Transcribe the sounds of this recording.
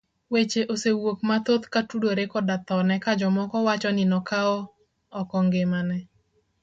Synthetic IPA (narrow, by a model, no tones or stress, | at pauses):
wet͡ʃeʔosewok̚mat̪ot̪katudoɾekɔdat̪ɔnɛkad͡ʒɔmɔkɔwat͡ʃɔnɪnɔkaɔ | ɔkɔŋɡemanɛ